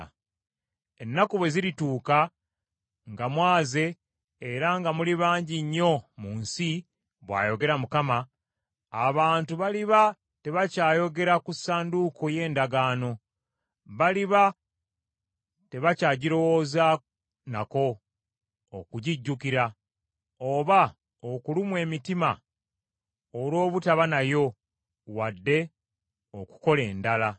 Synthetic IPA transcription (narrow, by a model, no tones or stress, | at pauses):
e̞nːakuβwe̞ziɾituːka | ŋɡamwaːze̞ː | ɾaŋɡamuliβaːɲɟiɲːo̞muːnsi | βwa̰ːjo̞ɡe̞ɾamukamaː | βaːntuβaliβa | te̞βacaːjo̞ɡe̞ɾakusaːnduko̞je̞ːndaɡaːno̞ | βaliβa | te̞βacaːɟiɾo̞wo̞ːza | nako̞ː | kuɟiɟːukiɾa | oβa | okulimwe̞ːmitima | oɾwo̞ːβutaβanajo̞ | wadːe̞ | oku̥ko̞le̞ːndala